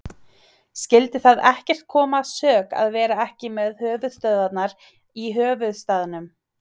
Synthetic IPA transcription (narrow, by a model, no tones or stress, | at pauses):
scɪlt̪ɪθaðɛhcɛr̥t̪̚kʰɔːmaːsœːka̰ðvɛːɾaɛhcɪmɛðhœːvʏðst̪œððat̪naɾ | iɦœːvʏðst̪aːðɪnʏm